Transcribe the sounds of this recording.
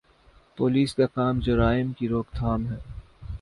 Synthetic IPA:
poːliːskakaːmd͡ʒɐɾaːɪmkiɾoːkt̪ʰaːmɦɛː

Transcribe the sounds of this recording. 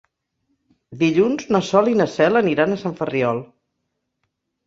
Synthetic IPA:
d̪iʎunznəsɔlinəsɛləniɾanəsaɱfəriɔlˠ

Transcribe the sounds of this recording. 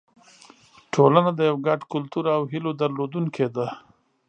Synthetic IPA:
ʈʰolanad̪əjawɡaɖkʊlt̪uɾawɦilod̪aɾlod̪uŋkʰed̪a

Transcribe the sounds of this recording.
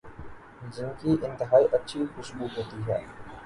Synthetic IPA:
d͡ʒɪnkiːʔɪ̃nt̪ɪɦaːiːʔɐtːʃʰixʊsbuːkɦoːt̪iɦɛ̰ː

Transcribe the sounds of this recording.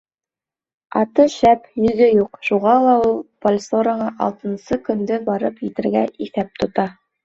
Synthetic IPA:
ɑt̪ɤʃæpjɵ̆ðɘjuqʃuʁɑlˠɑulˠpolʲsoɾəɴɑʔɑ̰lˠt̪ɤ̆nsɤkɵ̆nd̪ɘbɑɾɤpjɘ̆t̪ɘ̆ɾɡæʔiθæp̚t̪ŏt̪ɑ

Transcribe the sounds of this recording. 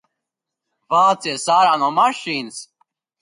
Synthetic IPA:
vaːt͡sisaːɾanɔmaʃiːns

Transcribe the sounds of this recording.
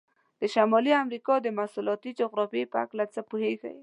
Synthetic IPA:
d̪̥əʃamɑliamɾikɑd̪əmasulɑt̪id͡ʒoɣɾɑfepəa̰klat͡səpuheɡa̰j

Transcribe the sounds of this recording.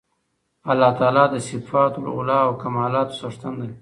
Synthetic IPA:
alːɑt̪ɑːlɑd̪əsɪfɑt̪l̰ʊlɑawkamɑːlɑːt̪o̥saʂt̪and̪a

